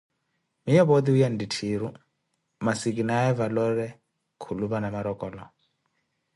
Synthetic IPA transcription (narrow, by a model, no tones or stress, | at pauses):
mijɔβɔd̪iujanditʰiɾu | masik̬inaɛvalɔɾɛ | kʰuluβanamaɾɔkɔːlɔ